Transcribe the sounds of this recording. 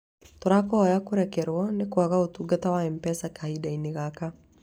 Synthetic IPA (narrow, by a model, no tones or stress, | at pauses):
t̪oɾakɔɔjakoɾɛkɛɾwɔnekwaɣaotuɡatawaɛmpɛsakahidaineɣaka